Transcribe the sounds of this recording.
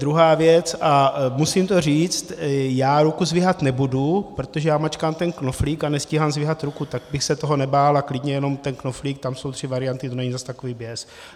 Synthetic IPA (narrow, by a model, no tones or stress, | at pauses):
d̪ɾuɦaːvjɛt͡sʔamusimt̪o̞r̝iːt͡st̪jaːɾukuzvɪɦat̪nɛbudupɾo̞t̪oʒɛjaːmat͡ʃkaːmt̪ɛnkno̞fliːkanɛsciːɦaːmzvɪɦat̪ɾukut̪aɡ̚bɪxsɛt̪oɦo̞nɛbaːlaklɪdɲɛjɛno̞mt̪ɛnkno̞fliːk̚t̪amso̞wt̪r̝̥ɪvaɾɪjant̪ɪt̪o̞nɛɲizast̪akoviːbjɛs